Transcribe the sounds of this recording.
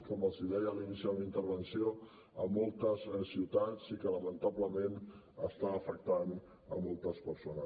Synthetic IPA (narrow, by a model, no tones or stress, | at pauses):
kɔməlˠziðɛjəlinisiunint̪əɾβənsio | əmɔlˠt̪əzsiwt̪at͡sikələmənt̪aβləmen | əst̪aːfək̚t̪an | əmɔlˠt̪əspəɾsonəs